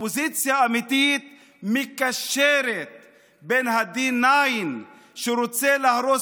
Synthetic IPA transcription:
ozit͡sjaːmit̪it̪̚ | mikaʃeɾet̪̚ | benɦad̪inajn | ʃeɾot͡selahɾo

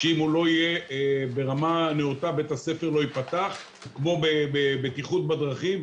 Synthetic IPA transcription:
ʃeimulo̞ije̞be̞ʁamaneut̪abe̞t̪ase̞feʁlo̞ipat̪aχ | kmo̞bebebetiχut̪̚bad̪ʁaχim

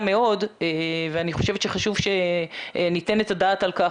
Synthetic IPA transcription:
meo̞deveaniχo̞ʃe̞vetʃeχaʃuvʃe | nite̞netadaːtalka

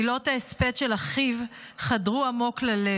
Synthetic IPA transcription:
ilo̞taespet̪ʃelaχiv | χadʁuamo̞klale

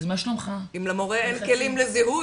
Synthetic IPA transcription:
zmaʃlomχaimlamoʁeenkelimleziɦu

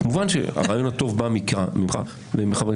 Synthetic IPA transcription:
kmuvanʃḛa̰ʁaːjo̞nhato̞vbamikʁamimχa̰ | vemeχab

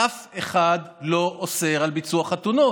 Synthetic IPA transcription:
afeχad̪lo̞ʔose̞ʁalbit͡suaχat̪uno

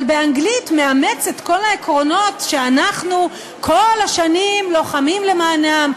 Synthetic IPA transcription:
lbeaŋɡlitmeamet͡setko̞laekʁo̞no̞tʃeanaχnu | kʰo̞lhaʃanimlo̞χamimle̞maːnam

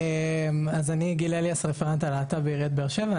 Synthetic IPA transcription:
emazaniɡilaliasʁefeʁant̪alaːt̪abeiʁiat̪̚beːʁʃeva

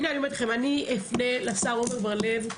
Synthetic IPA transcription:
neanimet̪χemaniefnelasaʁomevaʁlev

